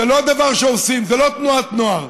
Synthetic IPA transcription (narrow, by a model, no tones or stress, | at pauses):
elo̞ad̪avaʁʃeosimzelo̞t̪nuat̪nua